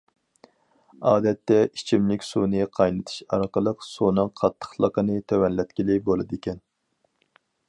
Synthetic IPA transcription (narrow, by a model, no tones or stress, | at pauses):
ɑːd̪ɛt̪ːɛʔit͡ʃʰimlɪkʲsunɨqʰɑjnɨt̪ʰɨ̥ʃɑɾqəlˠəqsunɨŋqʰɑt̪ʰːə̥χlˠəqənɨt̪ʰæwɛnlːɛt̪kʲilɪbolˠɨd̪ekʲɛn